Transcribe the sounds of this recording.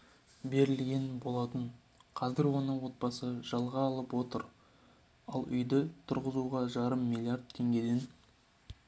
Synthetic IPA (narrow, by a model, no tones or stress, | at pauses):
be̞ɾɪlɡʲe̞nbo̞lˠɑt̪əɴ | qʰɑzɪɾwo̞nəɴwo̞t̪̚pɑsəʒɑlˠʁɑːlˠəpwo̞t̪əɾ | ɑlˠʏ̰jd̪ɪt̪ʰʊɾʁəzuʁɑʒɑɾəmːilʲˠiard̪̚t̪ʰːe̞ŋɡʲe̞d̪e̞n